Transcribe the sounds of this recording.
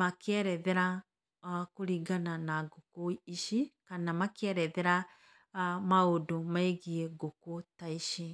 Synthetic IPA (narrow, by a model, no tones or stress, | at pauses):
makɛɾɛðɛɾa | kuɾiɡananaɡokoiʃikanamakɛɾɛðɛɾa | maodomaeɣiɛɡokotaiʃi